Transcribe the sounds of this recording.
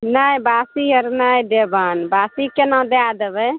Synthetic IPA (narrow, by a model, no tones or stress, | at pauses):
najbasiəɾnajd̪ebaːnbasikenãd̪ead̪ebɛ